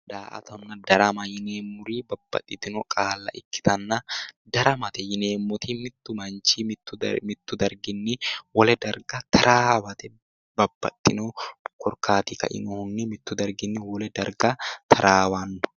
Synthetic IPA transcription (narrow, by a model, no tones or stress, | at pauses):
d̪aːʔɐ̰t̪ɔnːɐd̪ɐɾɐmɐjɪneːmːʊɾiːbɐb̥ːɐ̰t̪ʼːɪt̪ɪnɔkʼaːlːɐ̰ʔɪkːɪ̥t̪ɐnːɐd̪ɐɾɐmɐt̪ɛjɪne̞ːmːʊt̪imɪt̪ːʊmɐnt͡ʃimɪt̪ːʊmɪt̪ːʊd̪ɐɾɡɪnːɪwɔlɛd̪ɐɾɡɐt̪ʰɐɾʔaːwɐt̪ɛ | bɐbːɐ̰t̪ʼːɪnɔkʰɔɾkʰaːt̪ikɐ̰ʔɪ̰nɔhʊnːɪmɪt̪ːʊd̪ɐɾɡɪnːɪwɔlɛd̪ɐɾɡɐt̪ʰɐɾʔaːwanːɔ